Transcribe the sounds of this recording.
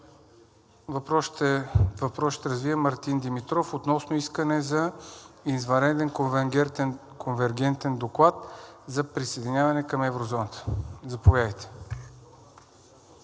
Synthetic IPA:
vɐpɾɔʃt̪vɐpɾɔsʃt̪ɛɾɐzvivəmɐɾt̪ind̪imit̪ɾɔfot̪nɔsnoiskənɛzɐizvɐɾɛd̪ɛnk̪ | kʰonvɛɾɡɛnt̪ɛnd̪oklˠat̪zɐpɾisejd̪inʲjavɐnɛkɐmɛvɾozɔnət̪ə̥zɐpovjad̪əjt̪ɛ̥

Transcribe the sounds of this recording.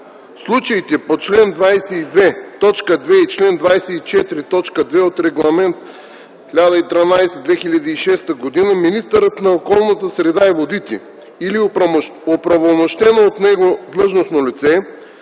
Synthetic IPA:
slˠut͡ʃɐit̪ɛpot͡ʃlɛnd̪vajsɛid̪vɛt̪ɔt͡ʃkəd̪vɛit͡ʃlɛnd̪vajsɛit͡ʃɛt̪ɾit̪ɔt͡ʃkəd̪vɛot̪ɾɛɡlˠɐmɛnt̪ | xʲilʲad̪əit̪ɾɐnajsɛd̪vɛxilʲɐd̪iːʃɛst̪əɡod̪inəminist̪əɾət̪nɐokɔlˠnət̪əsɾɛd̪aɛvod̪it̪ʲḭ | iliopɾɐvolˠmoʃt̪ɛnoːt̪nɛɡod̪lˠɤʒnosnolit̪sɛ

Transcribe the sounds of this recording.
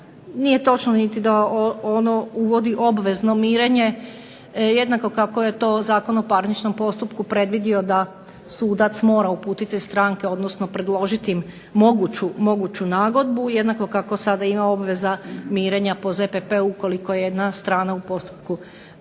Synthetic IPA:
nije̞t̪o̞t͡ʃnonit̪id̪aoono̞uʋo̞d̪iʔo̞bʋe̞zno̞miːɾe̞ɲe̞ | jed̪nako̞kako̞je̞t̪o̞ːzaːko̞nopaɾnit͡ʃno̞mpo̞st̪upkupɾe̞d̪ʋid̪io̞d̪a | suːd̪at̪smo̞ːɾaupuːt̪it̪ist̪ɾaːŋkeo̞d̪nosno̞pɾe̞d̪lˠo̞ʒit̪iimː | o̞ɡut͡ɕumo̞ɡut͡ɕunaːɡo̞d̪̚bujed̪nako̞kako̞sad̪aimao̞bʋe̞zamiːɾeɲapo̞zepepeuko̞liko̞jejed̪nast̪ɾaːnaupo̞st̪u̥p̚ku

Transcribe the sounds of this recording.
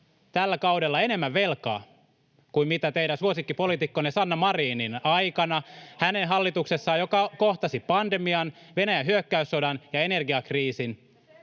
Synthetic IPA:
t̪ælːækɑudelːɑe̞ne̞mːæʋʋelkɑ̰ː | kuimit̪æt̪eiɾænsuosikːipo̞lit̪ikːonesɑnːɑmɑriːninɑjkɑnɑhænenɦɑlːit̪uksesːɑːjokɑkoht̪ɑsipɑnde̞miɑn | ʋe̞næjæɦyøkːæysːodɑnjɑene̞rɡiɑkriːsin

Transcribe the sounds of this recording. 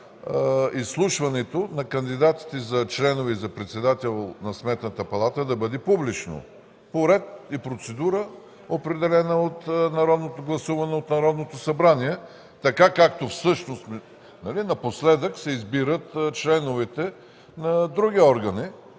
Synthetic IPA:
isːlˠuʃvɐnɛt̪onɐkɐnd̪id̪at̪i̥t̪ɛzɐt͡ʃlɛnovizɐpɾɛt̪sɛd̪at̪ɛlˠnɐsmɛt̪nət̪əpɐlˠat̪əd̪ɐbɤd̪ɛpublit͡ʃno̰ | poɾɛt̪̚ipɾot̪sɛd̪uɾə | opɾɛd̪ɛlɛnəot̪nɐɾɔd̪not̪oɡlˠɐsuvɐnɛot̪nɐɾɔd̪not̪osɐbɾaniɛ | t̪ɐkakak̚t̪ofsɤʃnost̪m | nɐlinɐposlɛd̪əksɛizbiɾət̪t͡ʃlɛnovɛt̪ɛ | nɐd̪ɾuɡiɔɾɡɐni

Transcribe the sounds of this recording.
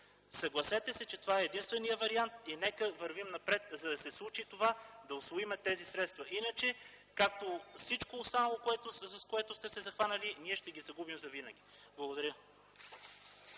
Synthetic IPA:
sɐɡlˠɐsɛt̪ɛsɛt͡ʃɛt̪ovaɛːd̪inst̪vɛnijəvɐɾiant̪inɛkəvəɾvimnɐpɾɛt̪zɐd̪ɐsɛslˠut͡ʃit̪ovad̪ɐosvoimɛt̪ːɛzisɾɛt̪st̪vɐʔinət͡ʃɛ | kak̚t̪ofsit͡ʃkoːst̪anɐlˠokoɛt̪oskoɛt̪ʊst̪ɛsɛzɐxvanɐliniɛʃt̪ɛɡʲizɐɡubimzɐvinəɡʲiblˠɐɡod̪ɐɾʲjə

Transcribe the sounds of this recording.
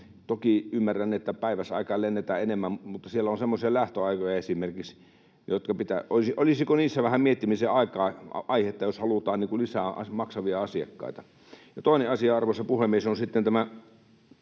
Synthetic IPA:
t̪okiymːærænːiet̪ːæpæˑiʋæsɑ̰ˑikɑːlenːet̪æenemːæmmut̪ːɑsielːæonsemːosiɑlæht̪øɑˑikojɑesimerkiks | jot̪kɑpit̪æʔosiʔolisikoniːsːæʋæhæmiet̪ːimiseɑˑikɑːɑiheet̪ːɑjoshɑlut̪ɑːnniːŋkulisæˑɑ̰mɑksɑʋiɑɑsiɑ̰kːɑ̰ˑit̪ɑ | jɑt̪oˑineɑsiɑɑrʋosːɑpuhemiesonsit̪ːent̪æmæ

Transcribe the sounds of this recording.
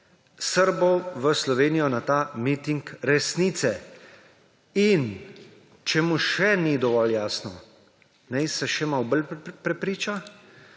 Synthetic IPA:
səɾbɔwʋəslɔʋeːnijɔnat̪aːmit̪iŋkɾɛsniːt̪sɛ | in | t͡ʃɛmuʃɛnid̪ɔʋɔljaːsnɔ | nɛjsɛʃɛmawbəlpɾɛpɾiːt͡ʃa

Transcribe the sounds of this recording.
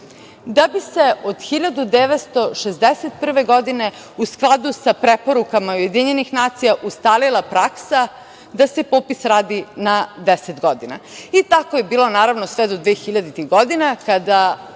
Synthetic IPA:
d̪abise̞ʔod̪xiʎad̪ud̪eʋet̪st̪o̞ʃezd̪eset̪̚pr̩ʋe̞ɡo̞d̪ine̞ | usklˠad̪usapɾepo̞ɾukamauje̞d̪iɲenixnaːt̪sijaʔust̪aːlilˠapɾaksa | d̪ase̞poːpisɾaːd̪inad̪eset̪ɡo̞d̪ina̰it̪akojebiːlˠo̞naːɾaʋno̞sʋed̪od̪ʋeːxiʎad̪it̪iɣɡod̪inakad̪a

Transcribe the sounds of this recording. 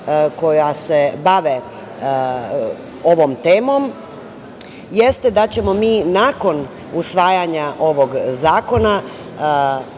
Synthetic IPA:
ko̞jase̞baʋe | o̞ʋo̞mt̪eːmo̞m | jest̪e̞d̪at͡ɕe̞mo̞miːnaːko̞n | usʋaːjaɲaʔo̞ʋo̞ɡzaːko̞na

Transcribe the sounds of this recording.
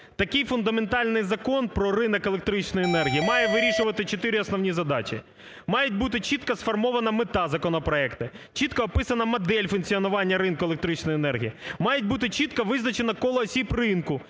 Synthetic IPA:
t̪ɐkɪjfʊnd̪ɐment̪ɑlʲnɪjzɐkɔnpɾɔrɪnɐkelˠek̚t̪ɾɪt͡ʃnɔjienɛrɦʲijimɑjɛʋɪɾʲiʃʊʋɐt̪ɪt͡ʃot̪ɪɾʲɪɔsnɔʋnʲizɐd̪ɑt͡ʃʲɪ | mɑjɛt̚ʲbut̪ɪt͡ʃit̪̚kɐsfɔrmɔʋɐnɐmɪt̪ɑzɐkɔnɔpɾɔɛkt̪ɪ | t͡ʃit̪kɐːpɪsɐnɐmɐd̪ɛlʲfʊnkt͡sʲiɔnʊʋɑnʲːɐɾɪnkʊelˠek̚t̪ɾɪt͡ʃnɔjenɛrɦʲḭjimɑjetʲbut̪ɪt͡ʃit̪kɐʋɪznɐt͡ʃenɐkɔlˠɔːsʲibrɪnkʊ

